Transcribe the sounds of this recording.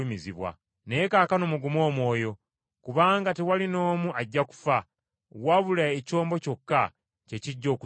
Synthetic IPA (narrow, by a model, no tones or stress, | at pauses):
miziβwa̰ | nejekaːkano̞muɡumo̞ːmwo̞ːjo̞ | kuβaːŋɡatewalino̞ːmuaɟːaku̥fa | waβulaeco̞ːmbo̞co̞kːa | ce̞ciɟːo̞ːku